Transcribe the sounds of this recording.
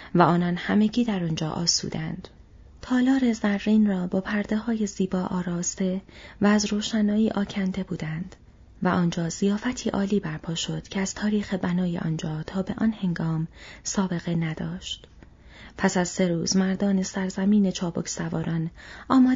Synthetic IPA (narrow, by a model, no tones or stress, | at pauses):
væɒːnɒnhæme̞ɟiːd̪æɾond͡ʒɒːʔɒ̰ːsṵːd̪ænd̪̥ | t̪ʰɒːlɒːɾe̞zærːiːnrɒːbɒːpʰæɾd̪e̞ɦɒːje̞ziːbɒːʔɒːɾɒːst̪e̞væːzɾoːʃænɒːiːʔɒːcʰænd̪e̞buːd̪ænd̪̥ | væʔɒːnd͡ʒɒːzijɒːfæt̪ʰiːʔɒːliːbæɾpʰɒːʃo̞d̪̥cʰeæz̥t̪ʰɒːɾiːxebænɒːjeʔɒ̰ːnd͡ʒɒːt̪ʰɒːbe̞̰ʔɒnhe̞ŋɡɒːmsɒːbe̞ɣe̞næd̪̥ɒːʃt̪ | pʰæsæzse̞ɾuːzmæɾd̪ɒːnesæɾzæmiːne̞t͡ʃʰɒːbo̰cʰsævɒ̰ːɾʔɒnɒːmɒː